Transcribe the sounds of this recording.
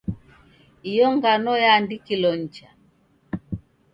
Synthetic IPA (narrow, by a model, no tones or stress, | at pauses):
ijɔŋɡanɔjaːndikilɔɲ̩t͡ʃa